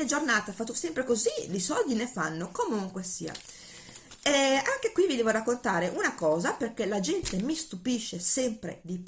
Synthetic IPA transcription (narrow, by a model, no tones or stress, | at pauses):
ed͡ʒornaːt̪eafat̪ːosɛmpɾekozilisɔld̪inefanːokomuŋkwesiːa̰ | ɛaŋk̟ekwivid̪ɛːvorakːont̪aːɾeʔunakɔːzaperkelad͡ʒɛnt̪emist̪upiʃːesɛmpɾḛd̪ip